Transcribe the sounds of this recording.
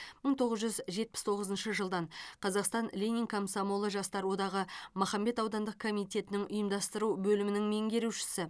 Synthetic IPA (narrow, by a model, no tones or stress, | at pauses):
məɴt̪ʰo̞ʁəzʒʏzʒe̞t̪̚pɪ̥st̪ʰo̞ʁəzənʃəʒəlˠd̪ɑɴqʰɑzɑqst̪ɑnlʲenʲiŋkʰomsomo̞lˠəʒɑst̪ɑɾwo̞d̪ɑʁəmʊχɑmbe̞t̪ɑwd̪ɑnd̪əq̚kʰo̞mijt̪ʲe̞t̪ɪnɪŋʊjəmd̪ɑst̪əɾubɵlɪmɪnɪŋme̞ŋɡʲe̞ɾuwʃɪ̥sɪ